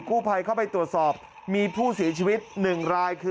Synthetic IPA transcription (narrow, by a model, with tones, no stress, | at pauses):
kuː˥˩pʰa˧jkʰa˥˩wpa˧jt̪ɾu˨˩ət̪̚sɔː˨˩p̚ | miː˧pʰuː˥˩si˩˦ɐt͡ɕʰiː˧wi˦˥t̪̚nɯ˨˩ŋɾaː˧jkʰɯː˧